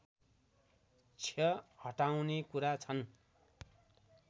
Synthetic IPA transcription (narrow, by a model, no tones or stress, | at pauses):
t͡sʰʌhʌʈaw̃nekuɾat͡sʰʌn